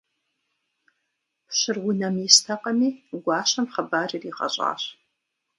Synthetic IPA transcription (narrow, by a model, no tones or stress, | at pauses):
ɕɨrwʊnɐmjɪstʰɐqʼɐmiːɡʷɑːɕɐmχɐbaːririːqʼɐ̰ɕʼa̰ːɕ